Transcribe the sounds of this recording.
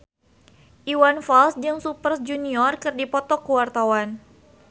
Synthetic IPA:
ʔiwanfalsd͡ʒɨŋsupərsd͡ʒuniɔrkɨrdipɔt̪ɔkːəwart̪awan

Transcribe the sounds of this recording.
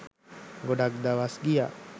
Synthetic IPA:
ɡodak̚d̪awasɡija̰

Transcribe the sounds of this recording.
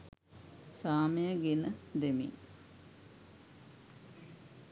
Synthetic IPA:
saːmejəɡenəd̪emḭn

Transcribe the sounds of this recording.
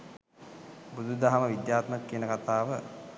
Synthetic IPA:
bud̪ud̪aɦaməʋid̪jaːt̪məkːinəkat̪aːʋə

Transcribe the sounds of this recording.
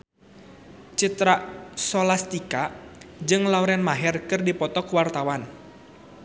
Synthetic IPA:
t͡ʃit̪ɾasɔlast̪ikad͡ʒɨŋlauɾɛnmaɦɛrkɨrdipɔt̪ɔkwart̪awan

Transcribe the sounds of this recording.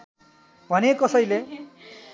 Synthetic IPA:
bʱʌnekʌsʌjle

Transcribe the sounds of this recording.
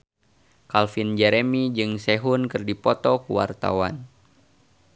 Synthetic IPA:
kalfind͡ʒɛɾemid͡ʒɨŋseɦunkɨrdipɔt̪ɔkuwa̰rt̪a̰wa̰n

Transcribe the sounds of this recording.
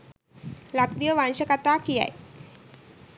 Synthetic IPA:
lakd̪ijəʋãnɕəkat̪akija̰j

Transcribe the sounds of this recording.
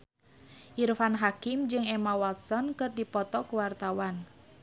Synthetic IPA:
ʔirfanɦakimd͡ʒɨŋɛmawalt̪̚sɔnkɨrdipɔt̪ɔkəwart̪awan

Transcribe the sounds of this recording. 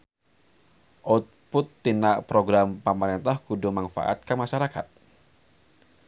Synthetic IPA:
ʔot̪̚pʊt̪ːinaʔpɾoɡɾampəmaɾint̪ahɡudʊŋmanfa̰ʔa̰t̪̚kəmaʃaɾakat̪̚

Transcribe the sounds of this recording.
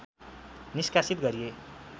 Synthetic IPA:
niskasit̪ɡʌɾije

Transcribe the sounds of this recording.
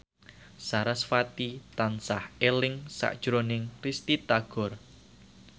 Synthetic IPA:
saɾasfat̪it̪ansahelɪŋsa̰ʔd̥ʒ̥ɾonɪŋkɾist̪it̪aɡ̥ɔ̤r

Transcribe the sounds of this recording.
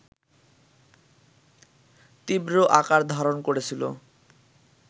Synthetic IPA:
t̪ibɾoʔakaɾd̪ʱaɾonkoɾet͡ɕʰilo̰

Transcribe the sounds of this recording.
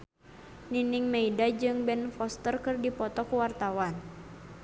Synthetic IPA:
niniŋmeidad͡ʒɨŋbɛnfɔst̪ərkɨrdipɔt̪ɔkuwart̪awan

